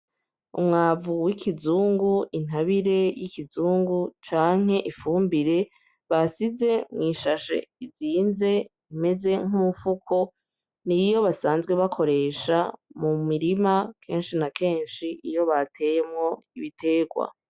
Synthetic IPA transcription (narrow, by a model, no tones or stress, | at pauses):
ṵmŋaːvuwikʰizuːŋɡuʔin̥ɦaβiɾe̞jikizuːŋɡut͡ʃaːŋ̥he̞ʔifuːmbiɾe̞ | βasize̞mŋiːʃaʃḛiziːnze̞ | ime̞ze̞ŋ̥umufukʰo̞ | nijo̞βasaːnzɡwe̞βakʰo̞ɾe̞ːʃa̰mumiɾimakʰe̞ːnʃinake̞ːnʃiʔijo̞βatʰe̞jemŋo̞iβitʰe̞ːɡwa̰